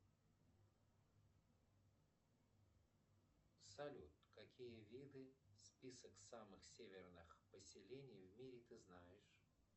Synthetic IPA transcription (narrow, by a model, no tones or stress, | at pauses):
sɐlʲut̪kɐkʲijəvʲid̪ɨspʲisəksamɨxsʲevʲɪrnɨxpəsʲɪlʲenʲɪjvmʲiɾʲɪt̪ɨznajɪʂ